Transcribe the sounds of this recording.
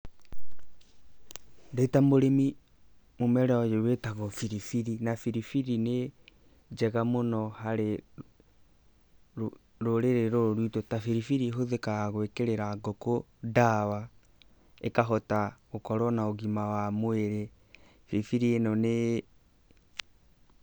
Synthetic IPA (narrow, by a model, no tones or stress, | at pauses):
detamoɾemi | momɛɾɛɔjewetaɣɔfiɾifiɾinafiɾifiɾine | d͡ʒɛɣamonɔhaɾe | ɾoɾeɾeɾoɾoɾwitotafiɾifiɾiɦoðekaɣwekeɾeɾaɡoko | dawa | ekaɦɔtaɣokɔɾɔnaoɣimawamoeɾe | fiɾifiɾienɔne